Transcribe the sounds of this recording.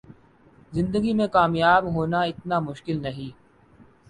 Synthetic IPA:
zɪ̃nd̪əɡimẽkaːmjaːbɦoːnaɪt̪namʊʃkɪlnɐɦĩː

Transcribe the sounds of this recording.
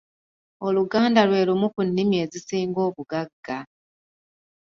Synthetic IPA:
o̞luɡaːndalwe̞ːlumukunːimje̞ːzisiːŋɡo̞ːβuɡaɡːa

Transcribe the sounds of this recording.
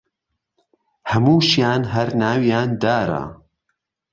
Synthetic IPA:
hɐmuːʃjaːnɦɐɾnaːwjaːnd̪aːɾɐ̰

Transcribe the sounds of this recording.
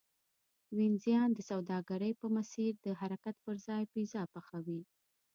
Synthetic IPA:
winzjɑnd̪əsawd̪ɑɡaɾəjpəmasiɾd̪əɦaɾakat̪̚pəɾzɑjpizɑpaxawi

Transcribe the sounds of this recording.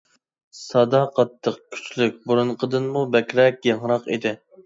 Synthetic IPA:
sɑd̪ɑqʰɑt̪ʰːəqkʲʰy̥t͡ʃlyk̚ʲbuɾunqʰəd̪ɨnmubɛkʲɾɛk̚ʲjɑŋɾɑqid̪ɪ

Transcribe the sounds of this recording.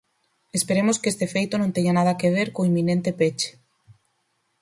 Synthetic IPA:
espeɾemoskest̪efejt̪onõnt̪eɲanað̞akeβ̞eɾkoimːinẽnt̪epet͡ʃe̥

